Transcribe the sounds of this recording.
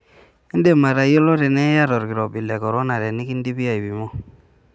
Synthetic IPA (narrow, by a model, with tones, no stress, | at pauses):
ɛ˦nde˨ma˨ɾa˨jo˦lo˦dɛ˨nɛ˦ja˦ɾɔ˨ɾki˨ɾɔ˨bi˨lɛ˨kɔ˨ɾo˦na˨ɾɛ˨ni˦ki˦ndi˦bi˦a˨i˨bi˨mɔ˦